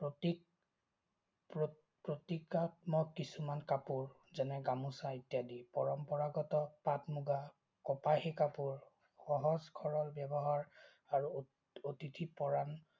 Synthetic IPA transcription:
pɹoti | pɹo | pɹotikatmɔkːisumankapuɹ | zɛnɛɡamusaitijadipɔɹɔmpɔɹaɡɔtɔpatmuɡa | kɔpahekapuɹ | xɔɦɔzkʰɔɹɔlbjɛbɔɦaɹ | aɹu | otitʰipɔɹan

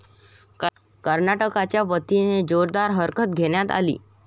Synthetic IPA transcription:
kəɾnaʈəkat͡ɕjaʋət̪ined͡ʑoɾd̪aɾɦəɾkʰət̪̚ɡʱenjat̪a̰lḭː

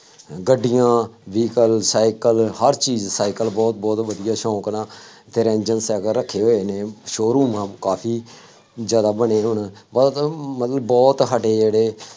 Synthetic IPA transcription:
ɡəɖːɪjãːʋiːkəlsaːɪkəlhəɾt͡ʃiːzsaːɪkəlbɔːt̪̚bɔːt̪ʋəd̪ɪjaːʃɔ̃ːknaː | t̪eɾɛ̃ːnd͡ʒənsɛːɡəɾːəkʰːeːɦoːeːnẽːʃoːɾuːmãːkaːpʰiː | zjaːd̪aːbəɽeːɦʊɳbɔt̪mət̪ləbːɔːt̪ɦəɖeːd͡ʒeːɽeː

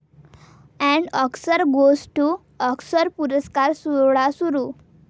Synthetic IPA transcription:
ɛ̃ɳɖɔksəɾɡozʈu | ɔksəɾpuɾəskaɾsuɾɭasuɾuː

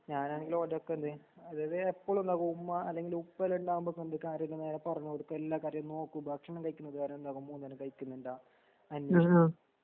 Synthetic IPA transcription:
ɲaːnaːneŋɡiloɾɐokːend̪ɨɐðaːjðɨepːoːɭund̪aːɣuumːaɐlːeŋɡilupːɐlɳɖaːɣumbokːend̪ɨkaːɾjɐt̪ːleneːɾepɐrɐɲːuoɾukːelːaːkaːɾjɐmno̞ːkːubaːkʂɐɳɐmkɐjikʲːunːɐðɨkaːɾɐmend̪aːɣumːunt̪ɐnːekɐjikʲːunːuɳɖaː | ɐnje

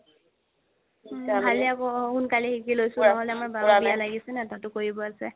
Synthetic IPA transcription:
bʱaliakɔxunkalixikilojsʊ̃naɦɔlɛamaɹbabialaɡisɛnɛtatʊkoɹibɔasɛ

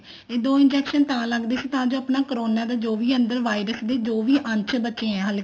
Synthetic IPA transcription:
eːd̪oːɪ̃nd͡ʒɛːkʃənt̪ãːləɡd̪eːsiːt̪ãːd͡ʒoːəpnaːkəɾoːnaːd̪aːd͡ʒoːʋiːə̃nd̪əɾʋaːiːɾəsd̪eːd͡ʒoːʋiːʔə̃ɲt͡ʃʰbətːt͡ʃẽːɛ̃ːɦəl

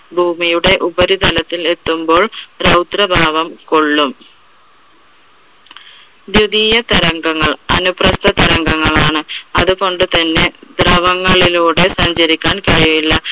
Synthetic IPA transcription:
bʱuːmijuɽe̞ʔubɐɾit̪ɐlɐt̪ːile̞t̪ːumbo̞ːɭɾɐwt̪rɐbʱaːʋɐmko̞ɭːum | d̪jud̪iːjɐt̪ɐɾɐŋɡɐŋːɐɭɐnuprɐst̪ɐt̪ɐɾɐŋɡɐŋːɐɭaːɳɨɐðuɣo̞ɳɖɨt̪ɐnːe̞d̪rɐʋɐŋːɐɭiluːɽe̞sɐɲd͡ʑɐɾikʲːaːnkɐɻiʋilːɐ

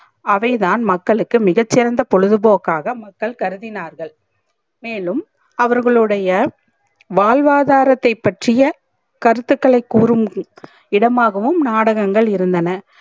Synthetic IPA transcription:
ɐʋɐɪðaːnmɐkːɐɭɯkːɯmɪɣɐt͡ʃːɪɾɐnd̪ɐpɔɻɯðɯboːkːaːɣɐmɐkːɐɭkɐɾɯðɪnaːɾɣɐɭ | meːlɯm | ɐʋɐɾɣɐɭɯɽɐjɐ | ʋaːlʋaːðaːɾɐt̪ːɐɪpːɐʈrɪjɐ | kɐɾɯt̪ːɯkːɐɭɐɪkːuːɾɯm | ɪɽɐmaːɣɐʋɯmnaːɽɐɣɐŋɡɐɭɪɾɯnd̪ɐnɐ

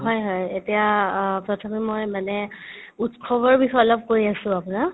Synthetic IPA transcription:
ɦɔjɦɔjetijapɹɔtʰɔmimojmanɛ | utkʰɔbɔɹbixɔjɔlɔp̚koɹiasʊ̃apʊna

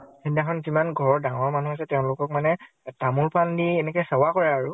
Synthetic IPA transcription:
kʰindakʰɔnzimanɡʱɔɹdaŋɔɹmanuɦasɛtɛʊ̃lʊkɔk̚manɛ | tamulpandienɛkɔjsawakɔɹɛaɹu

